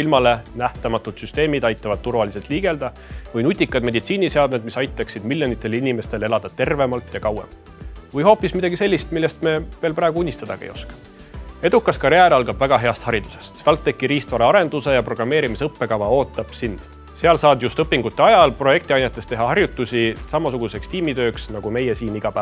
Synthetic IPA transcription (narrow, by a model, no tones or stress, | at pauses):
ilmɑle̞næht̪ɑmɑt̪ːˑut̪syst̪e̞ːmid̪ɑjt̪ːˑɑvɑd̪̚t̪urvɑlise̞lt̪ˑliːɡ̥e̞ld̪̥ɑ | vɯjnut̪ʲːˑikːˑɑd̪me̞d̪it̪siːnise̞ɑd̪̚med̪̚misɑjt̪ːˑɑksid̪milʲjo̞nit̪ˑːe̞linime̞st̪e̞le̞lɑd̪̥ɑt̪e̞rve̞mɑlt̪ˑjɑkɑwḛm | vɯjho̞ːpːˑismid̪̥ɑɡise̞lʲːist̪milːest̪me̞ve̞ːlprɑːɡuunʲːist̪ɑd̪̥ɑɡ̥ɑ̰ḛjo̞skɑ̥ | e̞d̪̥ukːˑɑskɑɾjæːɾɑlɡɑb̥væɡ̥ɑɦe̞ɑst̪hɑɾid̪̥u̥se̞st̪ælt̪ːe̞kːiɾiːst̪vɑɾɑɑɾe̞nd̪use̞jɑpro̞ɡ̥rɑmːe̞ːɾimisɤpːe̞kɑvɑo̞ːt̪ːˑɑb̥sind̪̥ | se̞ɑlsɑːd̪just̪ɤpːiŋɡ̥ut̪ːeɑjɑlpro̞je̞k̚t̪iɑjnet̪ːˑe̞st̪e̞ɦɑhɑrjut̪ːˑusʲisɑmɑsuɡ̥use̞kst̪iːmit̪ø̞ːksnɑɡ̥ume̞jesiːniɡ̥ɑpæː